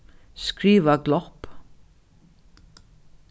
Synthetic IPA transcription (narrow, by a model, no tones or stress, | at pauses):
skɾiːʋəɡlɔp